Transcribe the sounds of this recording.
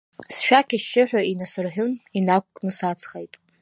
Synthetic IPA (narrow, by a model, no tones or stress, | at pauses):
sʃᶣakʲʰaʃɪħᶣaʔinasɨrħᶣʊninakʷʼkʼnɨsat͡sʰχejtʼ